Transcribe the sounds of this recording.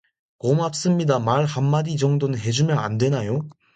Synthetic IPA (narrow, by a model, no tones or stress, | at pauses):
komap̚s͈ɯmɲidamaɭhamːadid͡ʑʌŋdonɯnɦe̞d͡ʑumjʌna̰ndwe̞najo